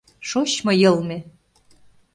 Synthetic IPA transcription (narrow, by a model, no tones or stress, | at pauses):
ʃot͡ɕmɤ̆jɤ̆lˠmĕ